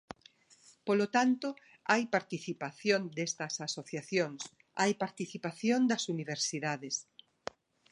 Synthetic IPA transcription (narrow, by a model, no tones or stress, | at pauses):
polot̪ant̪o | ajpaɾt̪iθipaθjond̪est̪ɐsasoθjaθjoŋs | ajpaɾt̪iθipaθjõnd̪ɐsuniβ̞eɾsiðaðes